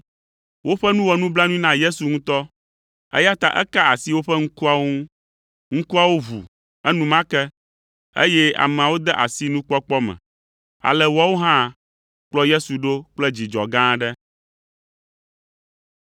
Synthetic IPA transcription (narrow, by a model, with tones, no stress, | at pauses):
wo˦ɸɛ˦nũ˦wɔ˨nũ˦bla˦nũ˦i˦nã˦je˦su˨ŋũ˦t̪ɔ˦ | ɛ̰˦ja˦t̪a˨ʔɛ̰˦ka˦a˨si˦wo˦ɸɛ˦ŋ̩̃˦ku˦a˨wo˦ŋ˦ũ˦ | ŋ̩˦ku˦a˨wo˦βṵ˨ | ɛ˦nũ˦mã˦kɛ˦ | ḛ˦jɛ˦a̰˨mɛ̃˨a˨wo˦d̪ɛ˦ʔa˨si˦nũ˦k͡pɔ˦k͡pɔ˦mɛ̰̃˨ | a̰˨lɛ˨wɔ˦wo˦ɦã˦ | k͡plɔ˦je˦su˨ɖo˦k͡plɛ˦d͡ʑi˨d͡ʒɔ̰˨ɡã˦ɖɛ˦